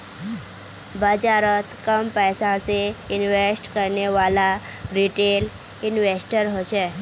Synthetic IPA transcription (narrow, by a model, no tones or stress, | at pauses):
bəd͡zaɾət̪kəmpəjsãseinʋesʈkəɾɳeʋalaɾiʈel | inʋesʈəɾɦoɕe